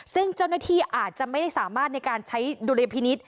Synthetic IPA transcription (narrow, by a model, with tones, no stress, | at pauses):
sɯ˥˩ŋt͡ɕa˥˩wna˥˩t̪ʰiː˥˩ʔaː˨˩t̪̚t͡ɕa˨˩ʔma˥˩jda˥˩jsaː˩˦maː˥˩t̪̚n˧jkaː˧nt͡ɕʰa˦˥jduː˧le˧pʰiː˧ni˦˥t̪̚